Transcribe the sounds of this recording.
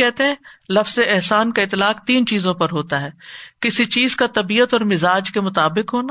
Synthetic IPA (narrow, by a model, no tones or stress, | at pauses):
ɛɦt̪eɦɛ̃ːlɐfz̥eɪɦsaːnkaɪt̪ːlaːqt̪iːnt͡ʃiːzõpɐɾɦoːt̪aɦɛːkɪsit͡ʃiːzkat̪ɐbiːət̪ɔːɾmɪzaːd͡ʒkemʊt̪aːbɪkɦoːna